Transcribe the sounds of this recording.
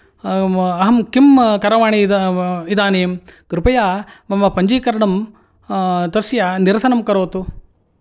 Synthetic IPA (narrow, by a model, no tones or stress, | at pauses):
ɐɦɐmkimkɐɾɐʋaːɳiid̪aːneːmkɾupɐjaːmɐmɐpɐɲd͡ʒiːkɐɾɐɳɐm | t̪ɐɾsjaːniɾɐsɐnɐmkɐɾoːt̪u